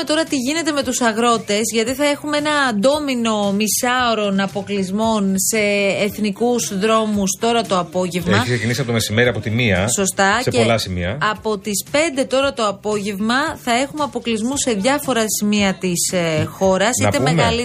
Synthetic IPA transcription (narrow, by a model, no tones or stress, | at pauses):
et̪o̞ɾɐt̪iʝine̞t̪e̞me̞t̪usɐɣɾo̞t̪e̞zʝɐt̪iθɐe̞xumee̞nɐːnd̪o̞mino̞misɐoɾo̞nɐpo̞klizmo̞nse̞ːθnikuzðɾo̞must̪o̞ɾɐt̪oɐpo̞ʝe̞vmeɐçiksecinisiɐpoomesime̞ɾiɐpo̞t̪imiɐ̰so̞st̪ɐseolɐsimḭɐɐpo̞t̪ispe̞nd̪e̞t̪o̞ɾɐt̪o̞ɐpo̞ʝe̞vmɐθɐe̞xumeɐpo̞klizmuse̞ðʝɐfo̞ɾɐsimiɐt̪isxo̞ɾɐsiɐt̪emeɣɐl